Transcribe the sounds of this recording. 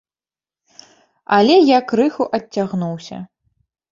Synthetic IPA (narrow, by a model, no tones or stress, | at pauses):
ɐlʲɛjakrɨxuʔɐt͡sʲːaɣnuwsʲɐ̰